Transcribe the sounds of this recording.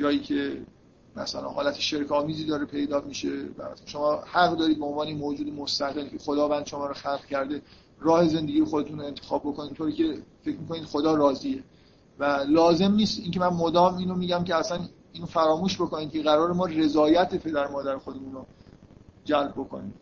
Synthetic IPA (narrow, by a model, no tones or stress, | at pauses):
d͡ʒɒːjiːcʰe̞ | mæ̰sæ̰læ̰nhɒːlæt̪ʰeʃeɾkʰɒːmiːziːd̪ɒːɾepʰe̞jd̪ɒːmiʃe̞væ̰ʃo̞mɒːhæɣd̪ɒːɾiːd̪̚beonvɒːneemoːd͡ʒuːd̪emost̪æɣelkʲʰe̞xod̪ɒːvænd̪̥ʃo̞mɒːɾɔxælʁcʰæɾd̪e̞ | rɒːhe̞ze̞nd̪e̞ɡiːjexod̪e̞t̪ʰunoe̞nt̪ʰexɒːb̚ːokoniːmt̪ʰoːɾiːcʲʰe̞fe̞cʰmiːko̞niːd̪xo̞d̪ɒːɾɒːziːe | vælɒːze̞mniːst̪iːcemænmod̪ɒːmiːnomiːɟæmcʰeæsæn | iːnofæɾɒːmuːʃbo̞ko̞niːd̪kʲʰe̞ɣæɾɒːɾemɒːre̞zɒːjæt̪ʰepʰe̞d̪æɾmɒːd̪æɾexod̪e̞muno | d͡ʒælb̚bo̞kʰo̞̰nḭ̥ː